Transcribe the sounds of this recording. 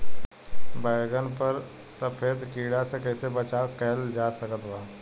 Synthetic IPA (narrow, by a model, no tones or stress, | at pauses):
baːɡənpəɾ | səpʰeːd̪kiːɽasekɛːsebət͡ʃaːkɛːld͡ʒaːsəkət̪waː